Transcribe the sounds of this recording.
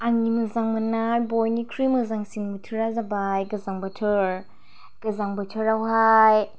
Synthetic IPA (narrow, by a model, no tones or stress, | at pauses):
aŋimɯzaŋmanaɾbojnikʰɾimɯzaŋsiŋmɯtʰɯɾazabajɡɐzaŋbatʰɯɾ | ɡ̥ɯzaŋbatʰɯɾawɦaj